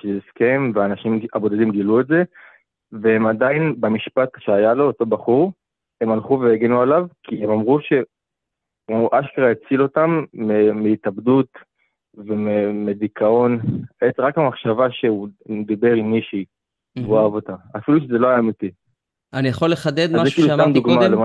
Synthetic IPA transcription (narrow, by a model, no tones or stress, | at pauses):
ʃezeskʰemveaːnaʃimabo̞d̪adimɡiluetze̞ | vehemadainbamiʃpat̪ʃeajalo̞ːto̞baχuʁ | e̞malχuveeɡenualavkʰiemamʁuʃe̞ | uʔaʃkeʁaet͡silo̞tamːemeitabd̪ut | vememedikʰao̞neʁakamaχʃavaʃeumd̪abe̞ʁiniʃi | voavot̪aafiluʃ̬ezelo̞ajaːmiti | anijaχolːeχad̪ed̪zzekilust̪amd̪uɡmalema